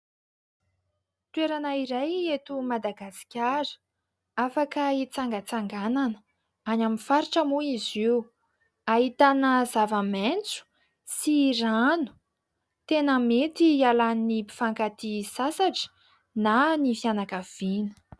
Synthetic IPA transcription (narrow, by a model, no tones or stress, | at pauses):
t̪weɾanaiɾajet̪umad̪aɡasi̥kʲaɾə̥ | afakəit͡saŋɡət͡saŋɡananə | anaminfaɾiʈ͡ʂəmuiziw | aɦit̪anəzavament͡su̥ | siranu̥ | t̪enəmet̪ialaninipi̥faŋkat̪isasaʈ͡ʂə̥ | nanifianakav̥inə̥